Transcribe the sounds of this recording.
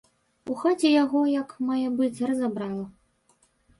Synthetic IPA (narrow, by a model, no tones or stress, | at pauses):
uxat͡sʲɛjaɣɔjɐkmajabɨd̪zʲrɐzabɾalˠɐ